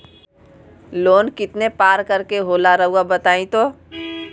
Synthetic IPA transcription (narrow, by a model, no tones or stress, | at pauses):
loːnkɪt̪nepaːɾkɐɾkeɦoːlaɾɐɦuabɐt̪aːĩt̪oː